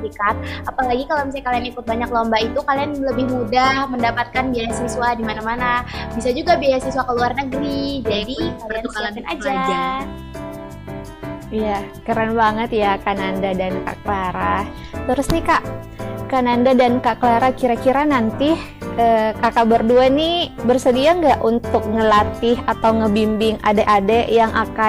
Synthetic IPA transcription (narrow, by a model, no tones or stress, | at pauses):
ikat̪̚apalaɡikalomis̬ajkalianikʊt̪̚baɲaklombait̪ukalianləbɪhmudahməndapat̪̚kanbiajasiswadimanamanabisad͡ʒuɡabiaasiswakəluarnəɡɾid͡ʒadikalianalaanad͡ʒad͡ʒ | ija | kəɾanbaŋət̪jakanandadanka̰ʔkəlaɾa | t̪əɾʊsnikaʔ | kanandadankaʔkəlaɾahkiɾakiɾanant̪ɪh | ʔəːkakabərduanibərsədiaŋɡaʔunt̪ʊk̚ŋəlat̪ɪɦat̪awŋəbimbɪŋadeʔadɛjaŋʔaka